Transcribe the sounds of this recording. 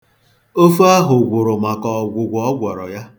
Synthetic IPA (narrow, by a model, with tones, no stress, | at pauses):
o˦fu˦a˦ɦʊ˨ɡʷʊ˨ɾʊ˨ma˨kɔ˨ɡʷʊ˨ɡʷɔ˨ɔ˦ɡʷɔ˨ɾɔ̰˨ja˦